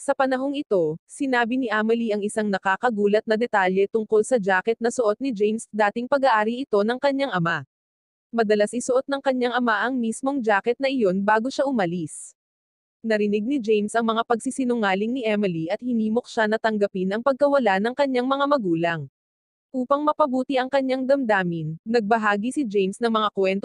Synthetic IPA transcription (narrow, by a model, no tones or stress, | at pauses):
sɐpɐnɐɦo̞ŋɪt̪o̞sɪnaːbiniʔamɪliʔɐŋɪsaŋnɐkaːkɐɡuːlɐt̪̚nɐd̪ɛt̪aljɛt̪ʊŋko̞lsɐd͡ʒaːkɛt̪̚nɐsoʔt̪̚nɪd͡ʒɛjmsd̪aːt̪ɪŋpɐɡɐʔaːɾiʔɪt̪o̞nɐŋkɐɲːaŋʔɐma | mɐd̪ɐlasɪsoʔo̞t̪̚nɐŋkɐɲːaŋɐmaʔɐŋmismo̞ŋd͡ʒaːkɛt̪̚nɐʔɪjo̞nbaːɡo̞ʃaʔʊmɐlis | nɐɾɪnɪɡ̚nɪd͡ʒejmsɐŋmɐŋapɐɡ̚sisɪnʊŋaːlɪŋnɪʔɛmɪliɐt̪̚hɪniːmo̞k̚ʃanɐt̪ɐŋɡɐpinɐŋpɐɡ̚kɐwɐlanɐŋkɐɲːaŋmɐŋamɐɡuːlɐŋ | ʔuːpɐŋmɐpɐbuːt̪iʔɐŋkɐɲːaŋd̪ɐmd̪aːminnɐɡ̚bɐɦaːɡisɪd͡ʒɛjmsnɐŋmɐŋakwɛnt̪